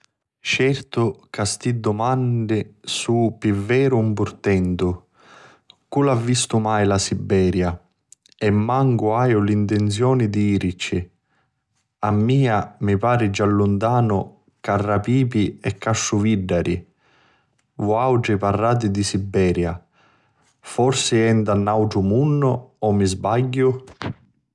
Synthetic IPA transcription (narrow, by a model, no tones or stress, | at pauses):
t͡ʃɛrt̪ʊkast̪id̪ːʊmand̪ɪsupivːɛːɾʊumpʊrt̪ɛnt̪ʊ | kulavːist̪ʊmajlasibːɛːɾja | ɛmːaŋɡʊajʊlint̪ɛnt̪sjɔːnɪd̪iiːɾit͡ʃːɪ | amːiːamipaːɾɪd͡ʒalːʊnt̪aːnʊ | karːapiːpiɛkːaʃːʊviɖːaɾʔi | vɔawʈiparːaːt̪̬ɪd̪isibːɛːɾja | fɔrsɪɛnd̪anːawʈɾʊmunːʊɔmːizbaɟːʊ